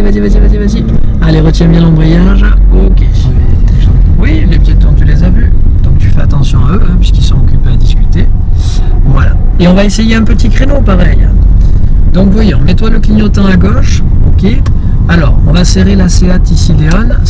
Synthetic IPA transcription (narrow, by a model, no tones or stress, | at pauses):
ivazivazivazivazi | aleʁət̪jɛ̃bjɛ̃lɑ̃bʁijaʒokʲẽ | wilebjɛt̪̚d̪ɔ̃t̪ylezavyd̪̥ɔ̃k̚t̪yfɛa̰t̪ɑ̃sjɔ̃aøɛ̃pɥiskilsɔ̃ɔkʲypeed̪iskʲyt̪e | vwala̰ | eɔ̃vaesejeɛ̃pət̪ikχenopaʁɛj | d̪ɔ̃kvwajɔ̃mɛt̪waləkliɲot̪ɛ̃aɡɔʃ | okʲe | alɔ̰ʁɔ̃vaseʁelaseat̪isileɔn